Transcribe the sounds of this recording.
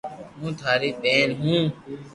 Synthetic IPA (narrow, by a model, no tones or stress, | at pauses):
mũːt̪ʰaːɾiːɓeːnɦũː